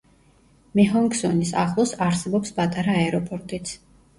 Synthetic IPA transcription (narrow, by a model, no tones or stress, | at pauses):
mɛɦɔŋksɔnisa̰χlˠɔsaɾsɛbɔpspʼat̪ʼaɾaɛɾɔpʼɔɾt̪ʼit̪sʰ